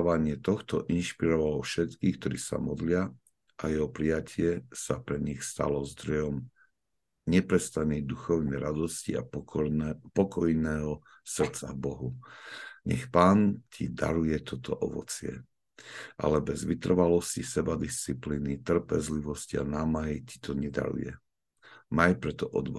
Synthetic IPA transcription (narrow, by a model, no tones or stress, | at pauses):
ʋaɲɪɛt̪ɔxt̪ɔʔinʃpiɾɔʋalɔfʃɛt̪kiːxk̚t̪ɔɾiːsa̰mɔd̪lɪa | ʔajɛɦɔpɾijacʰɪɛsapɾɛɲixst̪a̰lɔzd̪ɾɔjɔm | ɲɛpɾɛst̪anid̪uxɔʊnɛɾad̪ɔscḭa̰ | pɔkɔjnɛːɦɔ | sr̩t̪t͡sa̰bɔɦu | ɲɛ̰xpaːncʰid̪a̰ɾujɛt̪ʰɔt̪ɔʔɔʋɔ̰t͡sɪɛ̰ | ʔa̰lɛbɛzʋit̪r̩ʋalɔscisɛbad̪ist͡sipliːnit̪r̩pɛzliʋɔscia̰naːmaɦici̥t̪ʰɔɲɛd̪a̰ɾṵjɛ̰ | majpɾɛt̪ɔʔɔd̪ʋa